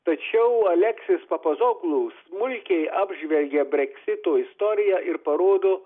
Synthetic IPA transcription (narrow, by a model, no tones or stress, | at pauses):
t̪ɐt͡ʃʲɛʊɐlʲɛksʲɪspɐpɐzoɡlˠusmʊlʲkʲɛɪɑːbʲʒʲʋʲɛlʲɡʲɛbʲɾʲɛkʲsʲɪt̪oːɪst̪oːɾʲɪjæːʔɪɾpɐɾoːd̪oː